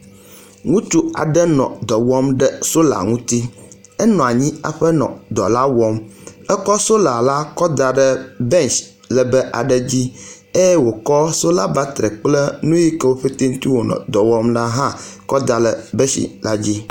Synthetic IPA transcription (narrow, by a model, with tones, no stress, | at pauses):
ŋũ˦t̪u˦a̰˨ɖə˦nɔ̰̃˨d̪ɔ˨wɔ˦mɖə˦so˦la̰˨ŋũ˦t̪i˦ | ɛ˦nɔ̃˨a˨ɲĩ˦a̰˨ɸə˦nɔ̰̃˨d̪ɔ̰˨la˦wɔ˦mɛ˦kɔ˦so˦la˨la˦kɔ˦d̪a˨ɖə˦bɛ˦˨nt͡ʃ | lə˨bə˦ʔa̰˨ɖə˦d͡ʑi˦ | e˦jwo˨kɔ˦so˦la˦ba˦t̪ɾɛ˨k͡plə˦nũ˦ji˦kə˦wo˦ɸe˦t̪e˦n̩˦t̪i˦wo˨nɔ̰̃˨d̪ɔ˨wɔ˦mla˦ɦã˦kɔ˦d̪a˨lə˨bɛ˦ʃḭ˨la˦d͡ʑi˦